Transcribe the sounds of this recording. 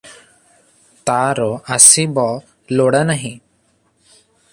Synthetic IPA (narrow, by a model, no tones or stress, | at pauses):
t̪aɾɔasibɔ | lɔɽanaɦĩ